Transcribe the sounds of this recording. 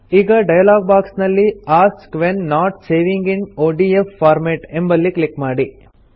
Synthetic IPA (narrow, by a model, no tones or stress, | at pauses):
iːɡɐɖɐjɐlaːɡ̚baːksnɐlːiaːskʋenːaːʈseːʋiŋɡinoːɖiefːaːɾmeʈembɐlːiklikmaːɽi